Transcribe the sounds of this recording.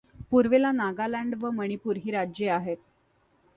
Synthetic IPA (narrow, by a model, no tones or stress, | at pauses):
puɾʋelanaɡalaɳɖʋəməɽ̃ipuɾɦiːɾad͡ʑjeaɦet̪̚